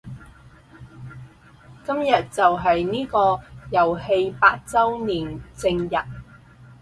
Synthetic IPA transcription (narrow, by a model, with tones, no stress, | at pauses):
kɐ˥mjɐ˨t̚t͡sɐ˨wɦɐ˨jniː˥kɔː˧jɐ˨˩whe˧jpaː˧t̚t͡sɐ˥wniː˨˩nt͡sɪ˧ŋjɐ˨t̚